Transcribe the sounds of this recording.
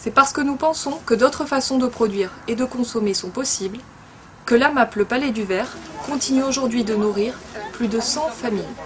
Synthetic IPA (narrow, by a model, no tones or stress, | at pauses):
sɛpaʁsə̥kənupɑ̃sɔ̃kəd̪ot̪χəfasɔ̃d̪əpχɔd̪ɥiʁed̪əkɔ̃sɔmesɔ̃pɔsibl | kəlamapləpalɛd̪yvɛʁkɔ̃t̪inyoʒuʁd̪ɥid̪ənuʁiʁplyd̪əsɑ̃famij